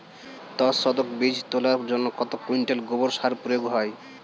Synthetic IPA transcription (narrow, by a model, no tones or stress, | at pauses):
t̪ɔsɔd̪okbid͡ʑʱt̪olaɾd͡ʑonːokɔt̪okuiɳʈelɡoboɾʃaɾpɾojoɡɦɔj